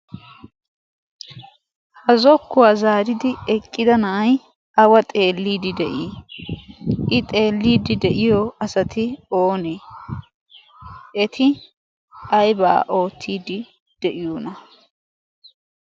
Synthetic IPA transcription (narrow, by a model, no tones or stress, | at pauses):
hɐzɔkːʊwaːzaːɾɪd̪ɪɛkʼːɪd̪ɐnɐʔɐj | ɐwɐt̪ʼe̞ːlːiːd̪ɪd̪ɛʔiː | ʔɪt̪ʼe̞ːlːiːd̪ɪd̪ɛʔɪjɔʔɐsɐt̪ʰɪoːneː | ʔɛt̪ʰɪ | ɐjba̰ːʔo̞ːt̪ʰːiːd̪ɪ | d̪̥ɛʔɪjunɐ